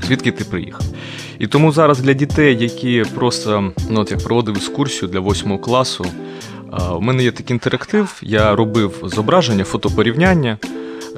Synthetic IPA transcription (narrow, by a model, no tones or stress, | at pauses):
sʲʋʲit̪kɪt̪ɪpɾɪjḭxɐw | it̪ɔmuzɑɾɐzd̪lʲɐdʲit̪ɛjːɐkʲipɾɔst̪ɐnuɔt̪jɐk̚pɾɔʋɔd̪ɪʋwɪkskursʲijʊd̪lʲɐʋɔsʲmɔɦɔklˠɑsʊ | ʊmɛnɛjɛt̪ɐkint̪eɾɐkt̪ɪwjaɾɔbɪwzɔbɾɑʒenʲːɐfɔt̪ɔpɔɾʲiwnʲanʲːɐ